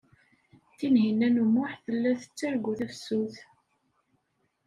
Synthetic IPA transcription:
θinɦinænumʊħθəlːæθə̥t͡sːæɾɡʷuθæfsuθ

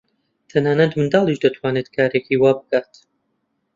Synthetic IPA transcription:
t̪ʰɐnaːnɐt̪mɨnd̪aːlˠiʃd̪ɐt̪ʰwaːnet̪kʰaːɾekʰiwaːbɨkaːt̪

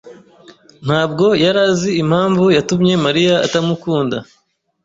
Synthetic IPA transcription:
n̥haːb̚ɡo̞jaɾaːziim̥haːɱvujatumɲe̞maɾija̰ːtamukuːnda

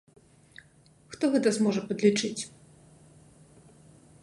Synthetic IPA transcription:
xt̪ɔɣɛt̪ɐzmɔʐɐpɐd̪lʲit͡ʂɨt͡sʲ

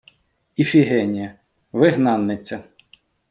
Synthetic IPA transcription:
ifʲiɦɛnʲijɐ | ʋɪɦnɑnːɪt͡sʲːɐ

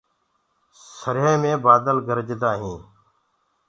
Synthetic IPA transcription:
səɾɦẽːmẽːbaːd̪əlɡʱəɾd͡ʒd̪aːɦĩː

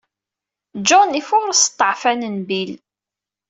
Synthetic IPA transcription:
d͡ʒonifʊɾsə̥t̪ˤːəʕfænənbil

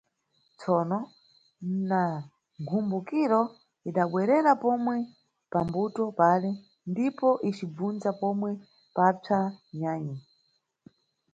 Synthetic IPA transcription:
t͡sʰɔnɔ | na | ŋkʰumbukiɾɔ | iɗaɓwɛɾɛɾapɔmwɛ | pambutɔpalɛ | ndipɔʔit͡ʃib͡vund͡zapɔmwɛ | pap͡ʂʰaɲaːɲi

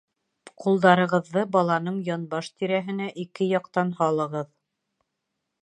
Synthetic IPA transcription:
qʰulˠd̪ɑɾɤ̆ʁɤ̆ðːɤbɑlˠɑnɤɴjɒnbɑʃt̪iɾæɦɘ̆næʔikɘjɑqt̪ɑnhɑlˠɤ̆ʁɤð

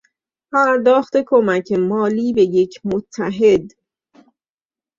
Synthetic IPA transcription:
pʰæɾd̪ɒːχt̪e̞kʰomæcʰemɒːliːbe̞jecʰmot̪ʰːæɦe̞d̪

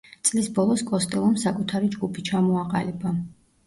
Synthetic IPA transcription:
t̪sʼlisbɔlˠɔskʼɔst̪ʼɛlˠɔmsakʼut̪ʰaɾid͡ʒɡupʰit͡ʃʰamɔaqʼaliba

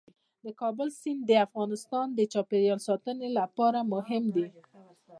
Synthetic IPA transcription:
d̪əkɑbəlsind̪əafɣɑnɪst̪ɑnd̪ət͡ʃɑpeɾjɑlsɑt̪ənelapɑɾamʊɦɪmd̪i

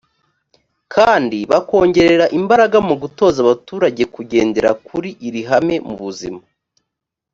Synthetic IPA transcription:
kʰaːndiβako̞ːɲɟe̞ɾe̞ɾaʔimbaɾaɡamuɡuto̞ːzaβatuːɾaɟe̞kuɟe̞ːnde̞ɾa̰kʰuɾiʔiɾiɦame̞mṵβuzḭma

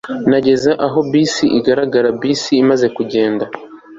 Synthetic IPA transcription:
naɟe̞zaʔaɦo̞biːsiʔiɡaɾaɡaɾabisiːmaze̞kuɟe̞ːnda

